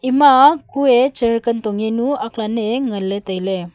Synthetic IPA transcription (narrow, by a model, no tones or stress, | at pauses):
imakuet͡ɕəɭkənt̪ɔŋɡenuaklaneŋəlːẽt̪əjle